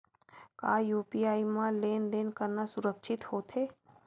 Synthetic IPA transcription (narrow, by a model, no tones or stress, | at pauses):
kaːjuːpiaːimãleːnd̪eːnkəɾnasʊɾəkʃʰɪt̪hoːt̪ʰɦeː